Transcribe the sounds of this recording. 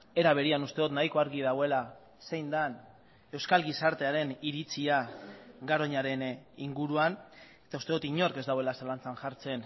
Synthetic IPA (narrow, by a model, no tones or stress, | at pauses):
e̞ɾaβ̞e̞ɾianust̪eot̪najko̞aɾɣiðawe̞la | se̞jnd̪an | e̞wskalɡisaɾt̪e̞aɾe̞niɾit͡siaɡaɾo̞ɲaɾe̞niŋɡuɾuan | e̞t̪aust̪eot̪iɲo̞ɾke̞zd̪awe̞lasalant͡sanʝaɾt͡se̞n